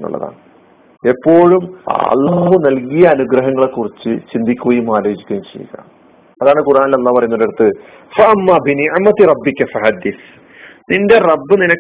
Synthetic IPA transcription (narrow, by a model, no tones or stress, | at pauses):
nːṵɭːɐ̰ða̰ːɳɨ | e̞pːo̞ːɻumɐ̰lːaːɦunɐlkijɐːnuɡɾɐɦɐŋːɐɭekːurit͡ɕːɨt͡ɕind̪ikʲːuɣɐjumaːloːd͡ʑikʲːɐjmt͡ɕḛjːṵɣɐ̰ːm | ɐðaːɳɨkurʔaːnilːeɐlːaːpɐrɐjnːoɾeɽut̪ːɨ | fɐʔɐmːaːbiniʕmɐt̪irɐbːikːɐfɐɦɐd̪ːiθ | ninde̞rɐbːɨninɐ